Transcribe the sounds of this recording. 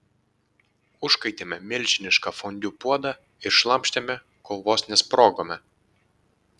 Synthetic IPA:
ʊʃkɐɪt̪ʲeːmʲɛmʲɪlʲˑʃʲɪnʲɪʃkɑfɔnʲd̪ʲuːpuɔd̪ɐ | ɪɾʃlˠɐmʲpʲʃʲt̪ʲemʲɛ | koːʋoːsnʲɛspɾoːɡoːmʲɛ

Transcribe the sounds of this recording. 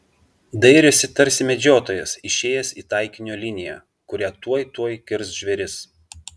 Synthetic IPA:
d̪ɐɪɾʲʊsʲɪt̪ɐɾʲsʲɪmʲɛd͡ʒʲoːt̪oːjɛsɪʃʲeːjɛsʲiːt̪ɐɪkʲɪnʲoːlʲɪnʲɪjæ̰ː | kʊɾʲæːt̪uɔjt̪uɔjkʲɪɾsʒʲʋʲɛɾʲɪs

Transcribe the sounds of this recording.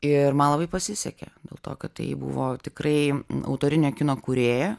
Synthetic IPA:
ɪrmɐnlˠɐbɐɪpɐsʲɪsʲɛkʲɛ̰d̪ʲeːlˠt̪o̰ːkɐt̪t̪ɐ̰ɪbʊ̰ʋoːt̪ʲɪkrɐɪɐ̰ʊt̪oːɾʲɪnʲoːkʲɪnoːkʊɾʲeːjɛ

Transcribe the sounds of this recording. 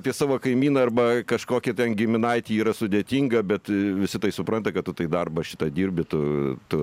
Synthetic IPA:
ɐpʲiɛsɑːʋoːkɐɪmʲiːnɐɐrbɐkɐʃkoːkʲɛt̪ʲɛnɡʲɪmʲɪnɐɪt̪ʲiːiːɾɐsʊd̪ʲeːt̪ʲiŋɡɐbʲɛt̪ʋʲɪsʲɪt̪ɐɪsʊpɾɐnt̪ɐkɐtt̪ʊt̪ɐɪd̪ɐrbɐʃʲɪ̥t̪ɐd̪ʲiːɾʲbʲɪt̪ʊt̪ʊ

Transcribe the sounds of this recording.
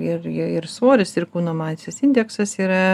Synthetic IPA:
ɪrɪɪrsoːɾʲɪsʲɪrkuːnoːmɑːsʲɪsɪnʲd̪ʲɛksɐsiːɾɐ

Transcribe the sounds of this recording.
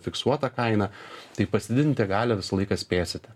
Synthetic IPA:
fʲɪksuɔt̪ɐkɐɪnɐt̪ɐɪpɐsʲd̪ʲɪd̪ʲɪnt̪ʲɛɡɑːlʲɛʋʲɪsɐlˠɐɪkɐsʲpʲeːsʲɪt̪ʲɪ

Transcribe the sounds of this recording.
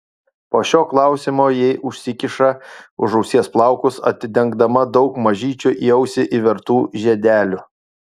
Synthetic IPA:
poːʃʲoːklˠɑˑʊsʲɪmoːjɛɪʔʊʃʲsʲɪkʲɪʃɐʊʒɐʊsʲiɛsplˠɑˑʊkʊsɐ̰t̪ʲɪd̪ʲɛŋɡd̪ɐmɐd̪ɒʊkmɐʒʲiːt͡ʃʲʊʔiɛʊsʲɪʔiʋʲɛɾt̪uːʒʲɛd̪ʲæːlʲʊ

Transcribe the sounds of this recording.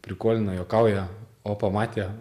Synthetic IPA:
pʲɾʲɪkoːlʲɪnɐjoːkɐʊjɛoːpɐmɑːt̪ʲe

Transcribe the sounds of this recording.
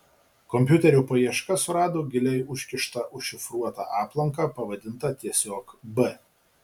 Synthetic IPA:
kɔmʲpʲjʊt̪ʲɛɾʲʊpɐjiɛʃkɐsʊɾɑːd̪oːɡʲɪlʲɛɪʊʃʲkʲɪʃt̪ɐʔʊʃʲɪfɾuɔt̪ɑ̰ˑʔɑːplˠɐŋkɑpɐʋɐd̪ʲɪnt̪ɐt̪ʲiɛsʲoːkbɛ

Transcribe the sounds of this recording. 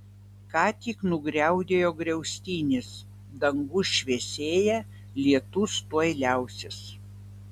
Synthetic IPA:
kɑːt̪ʲiknʊɡɾʲɛˑʊd̪ʲeːjoːɡɾʲɛʊsʲt̪ʲiːnʲɪs | d̪ɐŋɡʊʃʲʋʲiɛsʲeːjɛ | lʲiɛt̪ʊst̪uɔɪlʲæˑʊsʲɪs

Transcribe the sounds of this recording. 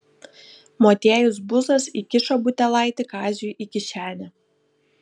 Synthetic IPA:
moːt̪ʲeːjʊs̬bʊzɐsiːkʲɪʃoːbʊt̪ʲɛlˠɑˑɪt̪ʲɪkɑːzʲʊjʔiːkʲɪʃʲæːnʲɛ

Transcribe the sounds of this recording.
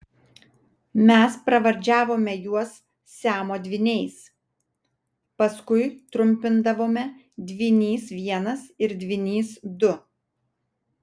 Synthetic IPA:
mʲɛspɾɐʋɐɾʲd͡ʒʲæːʋoːmʲɛjuɔs | sʲæːmoːd̪ʲʋʲɪnʲɛɪs | pɐskʊɪt̪ɾʊmʲpʲɪnd̪ɐʋoːmʲɛ | d̪ʲʋʲɪnʲiːsʋʲiɛnɐsɪɾd̪ʲʋʲɪnʲiːsd̪ʊ

